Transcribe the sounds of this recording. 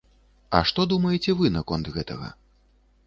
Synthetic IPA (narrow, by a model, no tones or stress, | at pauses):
ɐ̰ʂt̪ɔd̪umɐjɛt͡sʲɛvɨnɐkɔnt̪ɣɛt̪ɐɣɐ̰